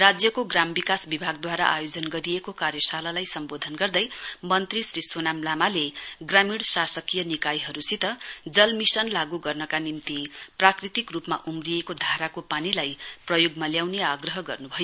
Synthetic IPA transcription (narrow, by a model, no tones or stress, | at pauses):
rad͡zjʌkoɡrambikasbibʱaɡ̚d̪waɾa̰ʔa̰jod͡zʌnɡʌɾijekokaɾjʌsalalajsʌmbod̪ʱʌnɡʌrd̪ʌjmʌnt̪risɾisonamlamaleɡramiɽsasʌkijʌnikajɦʌɾusit̪ʌd͡zʌlmisʌnlaɡuɡʌrnʌkanimt̪iprakrit̪ikrupma̰ʔumrijekod̪ʱaɾakopanilajprʌjoɡmaljawneaɡrʌɦʌɡʌrnubʱʌjo